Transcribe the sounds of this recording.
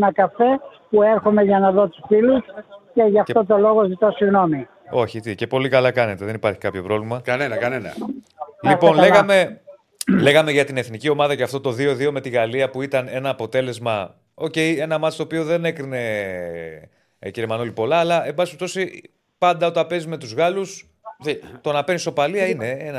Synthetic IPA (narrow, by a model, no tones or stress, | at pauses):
nɐkɐfe̞pueɾxome̞ʝɐnɐðo̞t̪u̥sfilusce̞ʝɐft̪o̞t̪o̞lo̞ɣozit̪o̞siɣno̞mi | o̞çit̪ice̞po̞likɐlɐkɐne̞t̪eðe̞nipɐɾçi̥kɐpço̞pɾo̞vlimɐkɐnenɐkɐnenɐ̰lipo̞nleɣɐme̞ | le̞ɣɐme̞ʝɐt̪ine̞θnicio̞mɐðɐceɐft̪o̞t̪o̞ðio̞ðio̞me̞t̪iɣɐliɐpuit̪ɐne̞nɐːpo̞t̪e̞le̞zmɐ | o̞ce̞je̞nɐmɐt̪ist̪oopio̞ðe̞ne̞kɾine̞ | ciɾemɐnolipo̞lɐːlɐʔe̞mbɐsipept̪o̞si | pɐnd̪ɐot̪ɐpe̞zime̞t̪uzɣɐlus | t̪o̞nɐpe̞nist̪o̞paliɐine̞enɐ